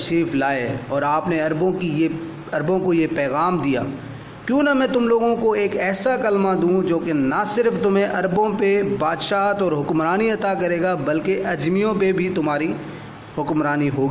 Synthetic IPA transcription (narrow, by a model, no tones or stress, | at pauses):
ʃiːflaːeɔːɾaːpneɐɾbõkije | ɐɾbõkojepɛːɣaːmd̪ija̰ː | kjõːnɐmɛ̃ːt̪ʊmloːɡõkoeːkɛːsakɐlmad̪ũd͡ʒoːkenɐsɪɾft̪ʊmẽʔɐɾbõpebaːd̪ʃaːɦt̪ɔːɾɦʊkmɾaːniɐt̪akɐɾeːɡabɐlkeʔɐd͡ʒmijõpebʱit̪ʊmaːɾi | hʊkmɾaːniɦoːɡiː